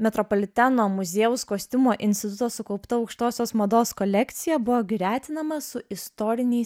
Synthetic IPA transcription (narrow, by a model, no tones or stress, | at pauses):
mʲɛt̪ɾɔpɔlʲɪt̪ʲænoːmʊzʲeːʊskoːsʲt̪ʲʊmoːʔɪnʲsʲt̪ʲɪt̪ʊt̪oːsʊkɒʊpt̪ɐɒʊkʃt̪oːsʲoːsmɐd̪oːskɔlʲɛkt̪sʲɪjɛbʊʋoːɡʲɾʲæːt̪ʲɪnɐmɐsʊɪst̪ɔːɾʲɪnʲɛɪs